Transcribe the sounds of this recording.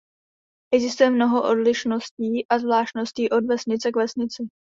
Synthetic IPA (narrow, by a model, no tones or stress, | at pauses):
ʔɛɡzɪst̪ujɛmno̞ɦo̞ʔo̞dlɪʃno̞sciːʔazvlaːʃt̪no̞sciːʔo̞dvɛsɲɪt͡sɛkvɛsɲɪt͡sɪ